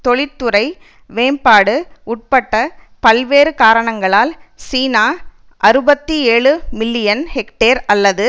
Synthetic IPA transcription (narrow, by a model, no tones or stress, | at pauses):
t̪ɔɭɪt̪ːɯɾɐɪ | ʋeːmpaːɽɯʊʈ̚pɐʈːɐ | pɐlʋeːɾɯkaːɾɐɳɐŋɡɐɭaːlsiːnaː | ʔɐɾɯbɐt̪ːieːɭɯmɪlːɪjɐnhɛkʈeːɾɐlːɐðɯ